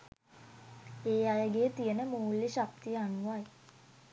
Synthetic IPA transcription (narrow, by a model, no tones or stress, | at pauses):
eːajəɡeːt̪ijənəmuːlːiʃak̚t̪ijəanuʋaj